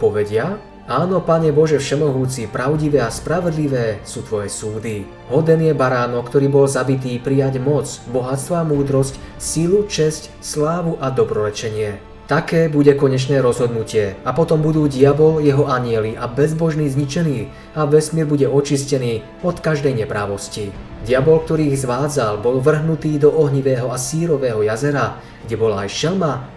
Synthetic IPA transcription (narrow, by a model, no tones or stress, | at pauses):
pɔʋɛɟɪa | aːnɔpaɲɛbɔʒɛfʃɛmɔɦuːt͡sipɾaʊɟiʋɛːaspɾaʋɔd̪liʋɛːsuːt̪ʋɔjɛsuːd̪i | ɦɔd̪ɛnjɛbaɾaːnɔkt̪ɔɾiːbɔlzabit̪̬iːpɾijaɟmɔt͡sbɔɦat͡st̪ʋɔamuːd̪ɾɔscsilut͡ʃɛsc | slaːʋuʔad̪ɔbɾɔɾɛt͡ʃɛɲɪɛ | t̪akɛːbuɟɛkɔɲɛt͡ʃnɛːɾɔzɦɔd̪nucɪɛapɔt̪ɔmbud̪uːɟɪabɔljɛɦɔʔaɲɪɛliʔabɛzbɔʒniːzɲit͡ʃɛniː | aʋɛsmɪɛɾbuɟɛɔt͡ʃiscɛniː | ɔt̪kaʒd̪ɛjɲɛpɾaːʋɔsciɟɪabɔlk̚t̪ɔɾiːɣzʋaːd͡zalbɔlʋr̩ɦnut̪iːd̪ɔʔɔɦɲiʋɛːɦɔasiːɾɔʋɛːɦɔjazɛɾa | ɡ̥ɟɛbɔlaa̰jʃɛlma